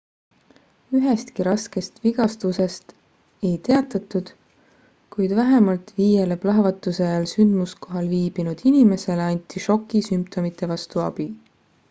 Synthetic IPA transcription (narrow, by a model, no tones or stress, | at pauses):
yɦest̪kiɾɑske̞st̪viɡ̥ɑst̪use̞st̪ | e̞jt̪e̞ɑt̪ːˑɑt̪ːˑud̪̥ | kujd̪̥væɦemɑlt̪viːjeleb̥lɑɦvɑt̪ːˑusejɑlsynd̪̥musko̞ɦɑlviːb̥inud̪̥inime̞se̞leɑnʲt̪ʰˑiʃo̞kːˑisympt̪ʰo̞mit̪ˑːe̞vɑst̪uɑ̰b̥i